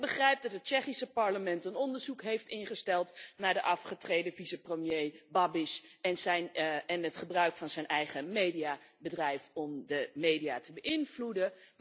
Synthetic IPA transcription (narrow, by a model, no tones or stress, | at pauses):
bəχrɛjp̚dɑtɦət̚t͡ʃɛχisəpɑɹləmɛntənɔndəɹzukɦejftɪnχəstɛlˠtnaːɹdəʔɑfχətrejdəvisəprəmjejbɑbɪʃɛnzɛnɛnətχəbrœɥkfɑnzɛjnʔɛjχəmejdijabədrɛjfɔmdəmejdiatəbəʔɪnvludə